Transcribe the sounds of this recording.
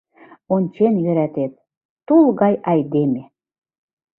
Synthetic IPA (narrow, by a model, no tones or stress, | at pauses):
onʲt͡ɕenjø̆ɾæt̪et̪̚ː | ulɣɑjʔɑjd̪eme